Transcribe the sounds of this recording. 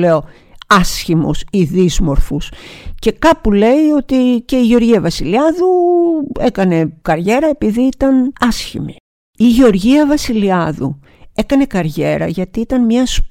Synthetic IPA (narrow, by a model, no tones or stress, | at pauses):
le̞o̞ | ɐsçimṵsiðizmo̞ɾfusce̞kɐpule̞io̞t̪ice̞iʝeo̞ɾʝiɐvɐsiliɐðuekɐne̞kɐɾʝe̞ɾɐe̞piðiit̪ɐnɐsçḭmi | iʝeo̞ɾʝiɐvɐsiliɐðṵ | e̞kɐne̞kɐɾʝe̞ɾɐ̰ʝɐt̪iit̪ɐnmɲɐs